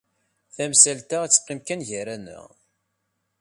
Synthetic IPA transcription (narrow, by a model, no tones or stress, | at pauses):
θæmsælt̪ææt͡sːə̥qːɪmkænʝəɾænə̰ʁ